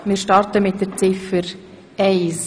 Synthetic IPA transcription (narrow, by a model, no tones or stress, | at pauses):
mɪɾʃtɑrtəmɪt̚d̥əɾt͡sɪfəɾ | ɛɪs